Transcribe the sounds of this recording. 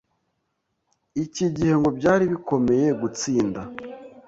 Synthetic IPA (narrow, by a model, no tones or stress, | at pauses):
iciɟihe̞ŋɡo̞bɟaːɾiβiko̞me̞je̞ɡut͡siːnda